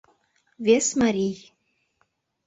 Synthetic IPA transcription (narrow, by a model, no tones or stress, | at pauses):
vesmaɾʲij